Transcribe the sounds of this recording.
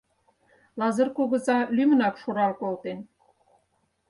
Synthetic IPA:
lɑzɤ̆rkuɣə̆zɑlymə̆nɑkʃuɾɑlkolt̪en

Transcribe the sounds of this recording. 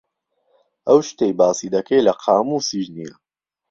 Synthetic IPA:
ʔɐwʃt̪ejbaːsiːd̪ɐkʰejlɐqʰɑːmuːsiʒnijɐ

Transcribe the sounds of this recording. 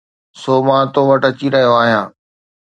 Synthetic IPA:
soːmãːt̪oʋɐʈɐt͡ɕiɾɐɦijoaːɦijãː

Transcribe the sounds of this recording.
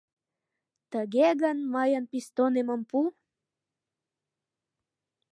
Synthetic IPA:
t̪əɡeɡanmajanpist̪onemampu

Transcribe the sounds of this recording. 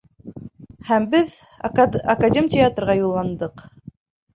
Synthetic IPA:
hæmbɘð | ɐkadʲemʲtʲɪat̪rʁɑjulˠːɑnd̪ɤq

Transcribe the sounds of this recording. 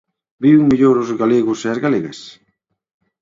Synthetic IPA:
biwŋmiʎoɾozɣaleɣʊseazɣaleɣḛs

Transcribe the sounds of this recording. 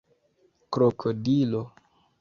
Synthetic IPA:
kɾokʰodilo

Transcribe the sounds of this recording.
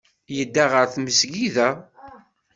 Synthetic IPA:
jəd̪ːaʁəɾθməsɡiðæ

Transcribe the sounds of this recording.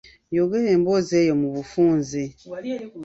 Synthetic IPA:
joɡeɾeːmbozejomuβufuːnzi

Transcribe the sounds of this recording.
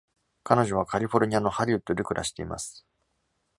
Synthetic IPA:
kano̞ʑo̞β̞akʰaɾʲiɸo̞ɾʲɯ̟ɲ̟iano̞haɾʲɯɯt̪ːoɾʲɯ̟kɯ̟ɾʔa̰ɕi̥t̪e̞̰ima̰sɨ̥

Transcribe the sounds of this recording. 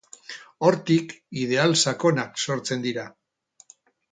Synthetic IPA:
o̞ɾt̪ikið̞e̞alsako̞nakso̞ɾt͡se̞nd̪iɾa

